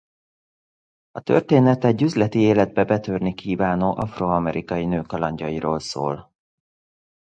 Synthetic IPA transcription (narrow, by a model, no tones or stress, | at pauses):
ɒt̪ø̰rt̪eːnɛt̪ɛɟːyzlɛt̪ieːlɛd̪̚bɛbɛt̪ørnikʰiːvaːnoːʔɒfroːɒmɛɾʔikɒjinøːkɒlɒɲɟɒiɾoːlso̰ːl